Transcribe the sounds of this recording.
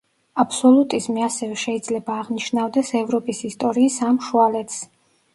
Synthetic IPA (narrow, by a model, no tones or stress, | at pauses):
apsɔlˠut̪ʼizmiasɛvɛʃɛid̪zlɛbaːʁniʃnavd̪ɛsɛvɾɔpʼisist̪ʼɔɾiːsamʃualɛt̪ʰs